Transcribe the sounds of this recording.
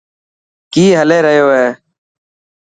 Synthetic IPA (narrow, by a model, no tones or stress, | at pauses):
kiːɦəleːɾəɦjoːɦeː